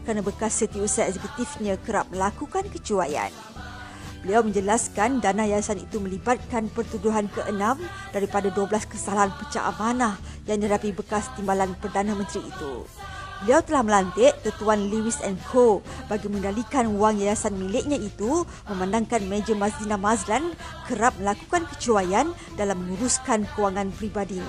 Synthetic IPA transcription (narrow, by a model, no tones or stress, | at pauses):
kəɾanabəkasːət̪iusaaɛsɛkut̪ifɲãkəɾap̚məlakukankət͡ʃuaja̰n | bəliawmə̃ɲd͡ʒəlaskandanajajasanḭt̪umə̃libat̪̚kanpərt̪uduɦankəʔənãm | daɾipadaduəbəlaskəsalaɦanpət͡ʃa̰ʔa̰manãh | jaŋdihɦadapibəkast̪imbalanpərdanãmə̃nt̪ɾḭːt̪ṵ | bəliawt̪əlahməlant̪ɪʔt̪ət̪uanliwisɛnkʰobaɡimə̃ndalikanuwaŋjajasanmilɪʔ̚ɲãit̪u | mə̃mãndaŋkanmed͡ʒəmasdinamazlan | kəɾap̚məlaku̥kankət͡ʃuajan | dalamːə̃nuɾuskankəwaŋãnpɾibadiɲ